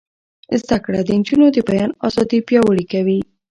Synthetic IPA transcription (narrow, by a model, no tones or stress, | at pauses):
zd̪akɽad̪ənd͡ʒunod̪əbajɑnɑzɑd̪ipjɑwəɽikawi